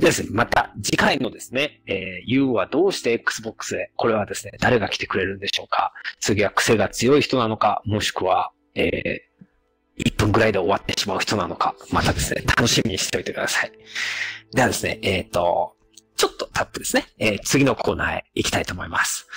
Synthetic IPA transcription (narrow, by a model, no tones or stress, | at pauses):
d̪esɨnemat̪a̰d͡ʑikaino̞d̪e̞sɨne̞eːjɯ̟ːβad̪o̞ːɕi̥t̪e̞ːkːɯ̥sɨbo̞kːɯ̥sɨd̪e̞ko̞ɾe̞β̞ad̪e̞sɨne̞d̪aɾe̞ɡakʲi̥t̪e̞kɯ̟ɾe̞ɾɯ̟̃nd̪e̞ɕo̞ːkʰa̰t͡sɨɡʲiβakɯ̟̥se̞ɡat͡sɨjo̞içi̥t̪o̞nano̞ka̰mo̞ɕi̥kɯ̟βa | ḛː | ipːɯ̟̃ŋɡɯ̟ɾaid̪e̞o̞βat̪ːe̞ɕimaɯ̟çi̥t̪o̞nano̞kamat̪ad̪e̞sɨne̞̰t̪ʰano̞ɕimʲiɲiɕi̥t̪eo̞it̪e̞kɯ̟d̪asai | d̪e̞ad̪e̞sɨne̞eːt̪ːo̞̰ | t͡ɕo̞t̪ːo̞̥t̪ʰapːɯ̟d̪e̞sɨneeːt͡sɨɡʲino̞kʰo̞ːna̰ːḛikʲt̪ait̪o̞ːmo̞imasɨ̥